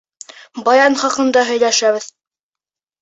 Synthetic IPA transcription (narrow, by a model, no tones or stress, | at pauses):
bɑjɑnχɑqɤ̆nd̪ɑɦɵ̆jlæʃæβɘð